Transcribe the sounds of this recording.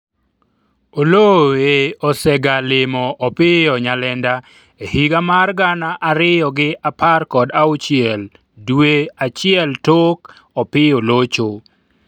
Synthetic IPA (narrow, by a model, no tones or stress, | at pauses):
oloeɔsɛɡalɪmɔʔːpɪɔɲalɛnda | ehiɡamarɡanaʔaɾɪjɔɡɪʔaparkɔdaut͡ʃɪɛl | dweat͡ʃɪɛltok | ɔpɪolot͡ʃo